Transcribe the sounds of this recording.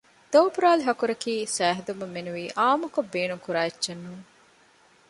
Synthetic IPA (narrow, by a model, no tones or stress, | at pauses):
d̪̥oːpuɾaːliɦɐkuɾɐkiːsæːɦɐd̪umɐmːenuʋiːʔaːmukobːeːnuŋkuɾaːetːt͡ʃɐnːuːŋ